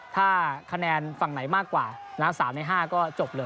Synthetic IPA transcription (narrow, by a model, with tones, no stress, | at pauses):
t̪ʰaː˥˩kʰa˧nɛː˧nfa˨˩ŋna˩˦jmaː˥˩kːwaː˨˩ | naː˦˥msaː˩˦mna˨˦jɦaː˥˩kɔː˥˩t͡ɕo˨˩p̚lɤː˧